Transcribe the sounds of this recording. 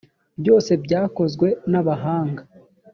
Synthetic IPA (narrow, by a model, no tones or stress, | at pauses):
bjo̞ːse̞bɟaːko̞zɡwe̞naβaɦaːŋɡa